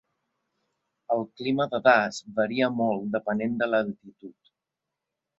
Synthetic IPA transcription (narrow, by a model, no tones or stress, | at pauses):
əlˠkliməðəɣazbəɾiəmɔlˠd̪əpənend̪ələlt̪it̪ut̪